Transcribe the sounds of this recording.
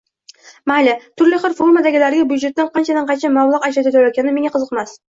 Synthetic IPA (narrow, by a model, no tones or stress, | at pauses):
malɪt̪ʰʊɾlɪχɨɾfoɾmad̪aɡʲɪlaɾɡʲabujd͡ʒet̪ːanqʰɑnt͡ʃʰad̪anqʰɑnt͡ʃʰamawlˠɑqaʃat̪ʰɪt̪ʰaɾakʲʰanɪmeŋaqʰɨzɨqmas